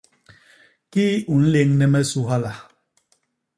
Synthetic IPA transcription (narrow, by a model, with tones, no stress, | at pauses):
kiː˦u˨n̩˦le˦ŋnɛ˦mɛ˦su˦ɦa˦la˨